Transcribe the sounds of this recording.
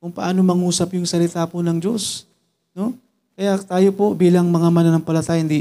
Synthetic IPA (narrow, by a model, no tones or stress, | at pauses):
kʊŋpɐʔaːno̞mɐŋuːsɐpjʊŋsɐlɪt̪aːpʊnɐŋd͡ʒo̞s | no̞ | kɐjat̪aːjo̞po̞biːlɐŋmɐŋamɐnɐnɐŋpɐlɐt̪aːjɪnd̪i